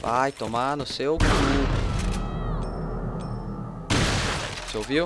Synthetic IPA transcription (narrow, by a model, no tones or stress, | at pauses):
va̰jt̪omanʊsewkuɾʊ | sowvi